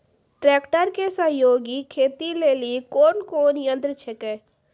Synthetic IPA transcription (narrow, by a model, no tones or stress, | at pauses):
ʈɾɛːkʈəɾkesəɦjoːɡikʰeːt̪ileːlikoːnkoːnjə̃nd̪ɾət͡ʃʰɛkeː